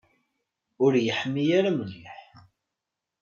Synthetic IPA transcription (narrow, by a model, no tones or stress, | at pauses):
ʊɾjəħəmːijaɾaməlːiħ